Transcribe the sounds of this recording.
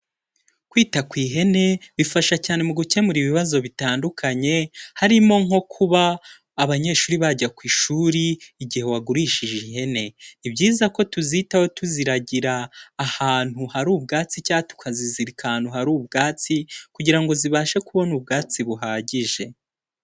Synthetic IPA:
kwiːtakwiːɦe̞ne̞βifaʃacaːne̞muɡuce̞muɾiβiβazo̞βitaːndukʰaɲe̞haɾimo̞ŋ̥o̞kʰuβaː | βaɲe̞ːʃuːɾiβaɟakwiːʃuːɾiːɟihe̞waɡuɾiːʃiʒeiɦe̞ne̞ibɟiːzako̞tuzitawo̞tuziɾaɟiɾaːhaːn̥huhaɾuːb̚ɡaːt͡sicaːtu̥kʰaziziɾikan̥huɦaɾuːb̚ɡaːt͡sikuɟiɾaŋɡo̞ziβaːʃe̞kuβo̞nubɡaːt͡siβuɦaːɟiʒe̞

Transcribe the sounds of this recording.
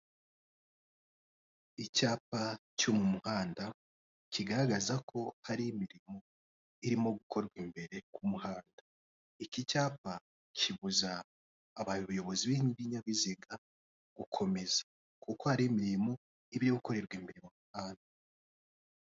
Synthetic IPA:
icaːp̚acomumuhaːnda | ciɡaɾaɡazakʰo̞haɾiːmiɾimo | iɾimo̞ɡukʰo̞ɾɡwimbe̞ɾe̞kumuhaːnda | icicaːpa | cʰiβuzaː | βaβujo̞βo̞ziβiɲiβiɲaβiziɡa | ɡ̥ukʰo̞me̞z̥ḁ | kʰukohaɾimiɾɾimo | iβiɾiɡuko̞ɾe̞ɾɡwimiɾimomuhaːnda

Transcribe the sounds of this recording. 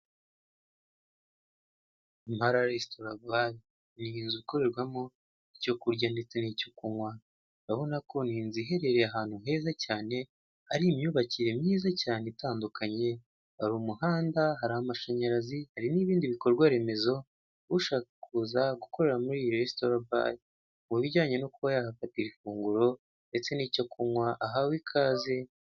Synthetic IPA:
mhaɾaɾestoɾabaj | niːnzuko̞ɾe̞ɾɡwamo | ico̞kuɾɟandet͡senico̞kuŋwa | βaβo̞nako̞niːnziɦe̞ɾe̞ɾe̞aɦaːn̥hu̥e̞ːzacaːne̞ | aɾimjuβaciɾe̞mɲiːzacaːne̞taːndukʰaɲe̞ | aɾumuhaːndaɦaɾahamaʃaɲaɾazihaɾiniːβiːndiβiko̞ɾɡwaɾe̞me̞zo̞ | βuʃaːkakuzaɡuko̞ɾe̞ɾamuɾiːjiɾestoɾaba̰j | muβiɟaːɲe̞nokuβajahafatiɾifuːŋɡuɾo̞ | nde̞t͡se̞niːcokumwaʔaɦawikʰaːze̞

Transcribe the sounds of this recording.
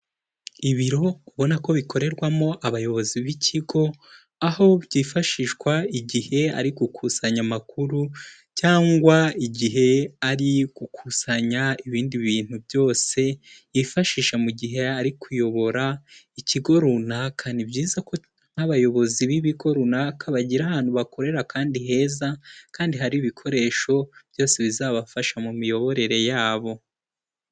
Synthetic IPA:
iβiɾo̞kuβo̞nako̞βikʰo̞ɾe̞ɾɡwamo̞ʔaβajo̞βo̞ziβicʰiɡo̞ | aho̞bɟiːfaʃiʃkwaiɟihe̞a̰ɾiɡukʰusaɲamakuɾu | caːŋɡwaiɟiɦe̞aɾiɡ̥ukʰusaɲaiβiːndiβiːn̥hubjo̞ːse̞ | ifaʃiːʃamuɟiɦe̞aɾikʰujo̞βo̞ɾaiciɡo̞ɾunakʰanibɟiːzakʰo̞ | n̥haβajo̞βo̞ziβiβiɡo̞ɾunakaβaɟiɾaβaːn̥huβako̞ɾe̞ɾakʰaːndiɦe̞ːzakaːndiɦaɾiːβikʰo̞ɾe̞ːʃo̞b̥jo̞ːse̞βizaːβafaʃamumijo̞βo̞ɾe̞ɾe̞jaːβo̞

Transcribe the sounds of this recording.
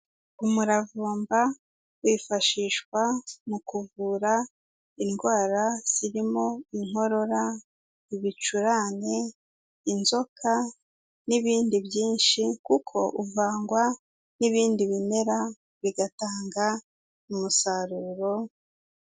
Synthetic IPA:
umuɾavuːmba | wifaʃiːʃkwamukuvuɾa | inɡwaːɾaz̥iɾimo̞iŋ̥ho̞ɾo̞ɾa | iβit͡ʃuɾane | inzo̞kʰa | niβiːndiβjiːnʃikukʰo̞ʔuvaːŋɡwa | niβiːndiβime̞ɾa | βiɡataːŋɡa | mumusaɾuːɾo̞

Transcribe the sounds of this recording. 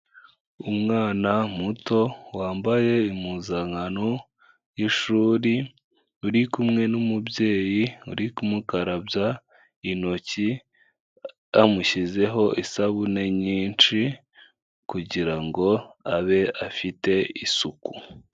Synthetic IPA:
umŋaːnamuto̞waːmbaje̞imuzaŋɡano | jiʃuːɾi | uɾikumŋe̞numubje̞ːjiṵɾikumukaɾabja | ino̞ci | amuçize̞ɦo̞ʔisaβune̞ɲiːnt͡ʃi | kuɟiɾaŋɡo̞aβe̞afite̞isuku̥

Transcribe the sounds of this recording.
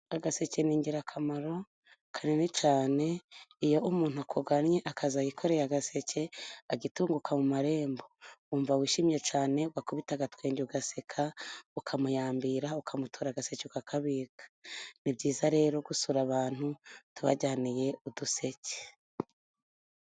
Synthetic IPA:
aɡase̞ceniːɲɟiɾakʰamaɾo̞ | kʰanenit͡ʃaːne̞ijo̞ʔumuːn̥huakʰoɡanɲeʔakʰazajikʰo̞ɾe̞jaɡase̞ce̞aɡituːŋɡukʰamumaɾe̞ːmbo̞uɱvawiːʃimje̞t͡ʃaːne̞wakuβitaɡatweːɲɟuɡasekʰaukʰamujaːmbiɾaukʰamutʰoɾaɡase̞cekakʰaβiːɡḁnibɟiːzaɾe̞ːɾo̞ɡusuɾaβaːn̥hutuβa̰ɟaːnije̞uduse̞ce̥

